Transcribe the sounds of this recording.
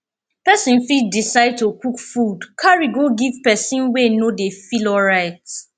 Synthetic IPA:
pɛsĩnfidisaɪd̚tokukfudkʰaɹiɡoɡiv̥pɛsĩnwenodefilɔlɹaɪt

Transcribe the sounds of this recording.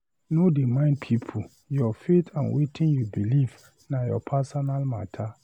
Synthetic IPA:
nodemãɪ̃n̚pʰipʰu | jɔfetʰãnwetʰɪ̃njubilif | nãjɔ̰pʰasɔnalma̰tʰa

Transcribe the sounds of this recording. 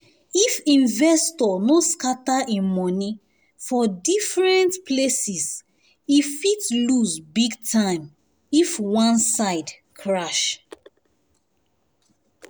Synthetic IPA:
ifĩnvɛstɔnoskataʔemɔni | fɔdifɹɛ̃ntpʰlesis | ifitluzbiɡtʰãɪ̃m | ifwãnsaɪd | kʰɹaʃ

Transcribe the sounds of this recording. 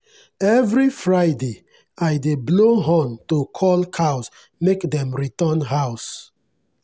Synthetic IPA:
ɛvɹifɹaɪde | ajdebloɦõntokʰɔlkʰaʊs | mekdɛ̃mɹitɔnɦaʊs

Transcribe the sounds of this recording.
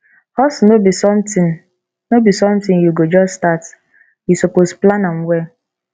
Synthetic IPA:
hɔsnobisɔmti | nobisɔmtĩjuɡod͡ʒɔsstat | jusoposplanamwɛ

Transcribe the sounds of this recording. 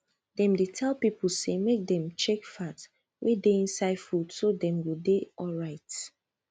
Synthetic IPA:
dɛ̃mdetʰɛlˠpipl̩semek̚dɛ̃mt͡ʃekfat | wʔedeĩnsaɪdfud̥sodɛ̃mwideɔlɹaɪt

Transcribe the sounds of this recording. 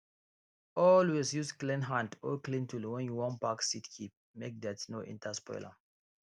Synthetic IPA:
ɔlwesjusklɛ̃nɦãntɔklĩntʰulwɛ̃njuwɔ̃npaksitkʰip̚ | mek̚d̪ɛtsnoʔḭ̃ntʰaspɔ̰jla̰

